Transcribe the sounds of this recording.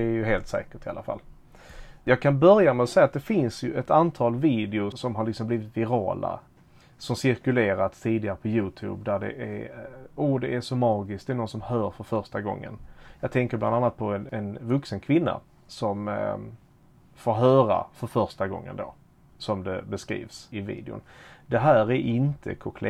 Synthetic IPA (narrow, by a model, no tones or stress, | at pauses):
æɾjɵɦeːlt̪sɛ̰ːkəʈɪa̰lafa̰lː | jɑːɡ̚kʰanbœɾjamɛɔsɛjːat̪̚d̪ɛfɪnsjɵʔɛt̪ant̪ʰɑːlviːd̪ɛʊʂɔmɦaɾɭɪksɔmbliːvɪt̪vɪɾɑ̰ːla̰ | sɔmsɪɾkɵleːɾat̪st̪ʰiːd̪ɪɡaɾəpʰɔjʉ̟ːt̪ʰʉ̰ːbd̪æɖɛ̰ʔæɾuːd̪ɛʔæʂɔmɑːɡɪsk̚d̪ɛænɔnsɔmhœːɾfœɾfœɾʂʈaɡɔ̰ŋːə̰njɑːɡ̚t̪ʰɛŋkəɾbland̪anːat̪̚pʰɔɛnɛnvɵksənkʰvɪnːa̰ | sɔm | foːɾɦœːɾa̰fœɾfœɾʂʈaɡɔ̰ŋːə̰nd̪o̰ː | sɔmd̪ɛbɛskɾḭːvsɪvḭːd̪ɪʊ̰nd̪ɛɦæːɾæʔɪnt̪ʰə̰kʰʊkʰlɛ